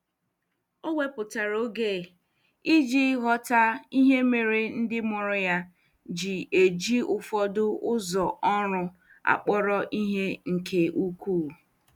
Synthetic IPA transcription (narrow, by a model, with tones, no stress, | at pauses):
o˦wʷe˦pʊ˨ta˨ɾo˦ɡe˦˨ | i˦d͡ʒi˦ɦɔ˦ta˦i˦ɦe˦me˨ɾe˨n̩˦dɪ˦mɔ˨ɾʊ˦ja˦ | d͡ʒɪ˨e˨d͡ʒi˦ʊ˨fɔ˦dʊ˦ʊ˦zɔ˨ʔɔ˦ɾʊ˦ | a̰˨k͡pɔ˦ɾɔ˦ʔi˦ɦe˦ŋ̩˨kʰe˨ʔu˦kʷuː˦˨